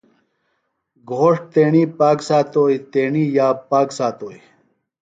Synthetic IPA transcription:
ɡʱoːʂt̪eːɳiːpaːksaːt̪oːit̪eːɳiːjaːpaːksaːt̪oːi

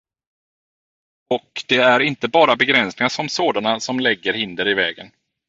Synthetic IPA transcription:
ɔkd̪̥ɛæɾɪnt̪əbɑːɾabɛɡɾɛnsnɪŋasɔmsoːd̪anasɔmlɛɡːəɾhɪnd̪əɾɪvɛːɡə̰n

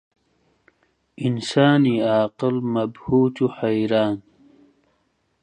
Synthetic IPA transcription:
insaːniaːqɪlmɐbhuːt̪uħajɾaːn

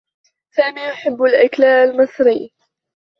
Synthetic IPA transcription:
saːmiːjʊħɪbːalʔaklaːʔlmɪsˤɾɪː

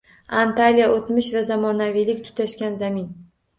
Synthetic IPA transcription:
ant̪alijaʔot̪mɪʃvazamɒnavijlɪk̚ʲt̪ʰʊ̥t̪ʰaʃkʲanzamɪn

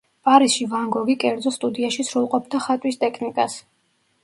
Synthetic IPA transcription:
pʼaɾisʃivaŋɡɔɡikʼɛɾd̪zɔst̪ʼud̪iaʃisɾulˠqʼɔp̚ʰd̪aχat̪ʼwist̪ʼɛkʰnikʼas

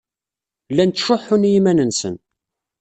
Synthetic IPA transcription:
lːænt̪ːə̥ʃːʊħʊnjimænənsə̰n

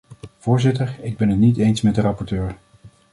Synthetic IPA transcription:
v̥ʊːɹzɪtəɹɪɡ̚bɛnɦətnitejnsmɛt̚dərɑpɔɹtøːɹ

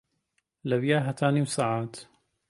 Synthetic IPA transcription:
labjaːɦat̪ʰaːnimsaːʕaːt̪

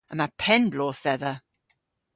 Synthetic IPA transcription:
ə̃mapʰɛnblɔːθɛðə

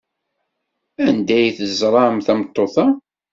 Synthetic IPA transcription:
ænd̪æjθəzˤɾˤɑmθæmət̪ˤːoθɑ

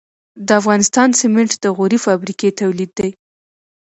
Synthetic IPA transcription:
d̪əafɣɑnɪst̪ɑnsɪmɪɳʈd̪əɣoɾifɑbɾiket̪awlid̪ːaj

